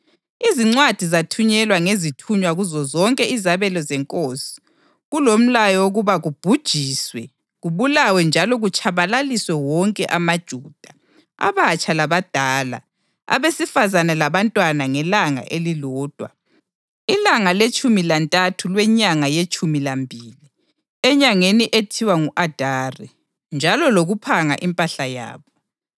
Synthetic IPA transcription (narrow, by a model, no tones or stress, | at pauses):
iziŋ͡ǀwad̥ʱizatʰuɲɛlwaŋezitʰuɲwaɣuzɔzɔŋkʼɛizaβɛlɔzɛŋkʼoːsi̥ | ɣulom̩lajɔoɣuβaɣub̥ʱud̥ʒ̥ʱiːswɛ | ɣuβulawɛnd͡ʒʱalɔɣut͡ʃʰʼaβalaliswɛwɔŋkʼɛʔamad̥ʒ̥ʱuːd̥ʱa | a̰βat͡ʃʼalaβad̥ʱaːla̰ | a̰βesifazanɛlaβantʼwanaŋɛlaŋa̰ʔelilɔːd̥ʱwa̰ | ilaŋalet͡ʃʼumilantʼatʰulwɛɲaŋajet͡ʃʼumilambʱiːli | ɛɲaŋeniʔetʰiwaŋuʔad̥ʱari | nd͡ʒʱalɔloɣupʰaŋa̰ʔimpʼaɬaja̰ːβɔ